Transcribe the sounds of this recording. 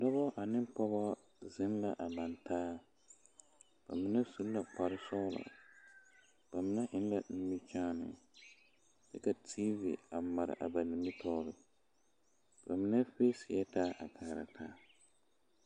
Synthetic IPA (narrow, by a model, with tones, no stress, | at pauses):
dɔ˦bɔ˦ʔa˨nɪ˦mpɔ˦bɔ˦ | zɪ˦nla˨ʔa˨ma˨ntaː˦ | b̥a̰˨mɪ˨˦nɛ˦su˦lla˨k͡pa˨ɾɪ˦sɔ˦la̰˨ | b̥a˨mɪ˦na˦ʔɪ˦n˦la˨ni˦mi˦t͡ʃaː˦nɪ̰˨ | sɛ˦ka˨tʰiː˦vḭ˨a˨ma˨ɾɪ̰˨ʔa̰˨ba˨ni˨mi˦tʰɔ˦ɾɪ˦ | ba˨mɪ˦nɛ˦feː˦sɪ˨jɛ˦taː˦ʔa˨kʰaː˨ɾa̰˨tʰaː˦